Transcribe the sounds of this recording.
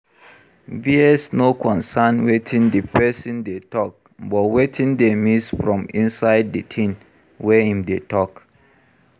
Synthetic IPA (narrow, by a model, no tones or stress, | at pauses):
biɛsnokʰɔ̃nsanwetʰĩndepɛsĩndetɔk̚ | bɔtwetʰĩndemisfɹɔ̃mĩnsaɪdditʰĩn | wɛhĩmdetɔk